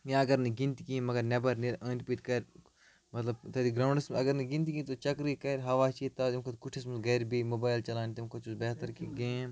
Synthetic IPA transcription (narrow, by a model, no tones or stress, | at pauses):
jãɐɡɐɾneɡĩnt̪ikĩmɐɡɐɾnebɐɾneɾɐ̃ːnʈpiːʈkɐɾʲ | mɐt̪lɐbt̪ɐd̪iɡɾaːwɳɖɐsmɐɡɐɾneɡĩnt̪kĩt̪ot͡ʃɐkɾikɐɾɦɐʋaːt͡ʃit̪ɐimkʰɐt̪kuʈʰis̬mɐsɡɐɾbimoːbaːɪlt͡ʃɐlaːnt̪imkʰɐt͡ʃusbɛːt̪ɐɾkiɡẽːm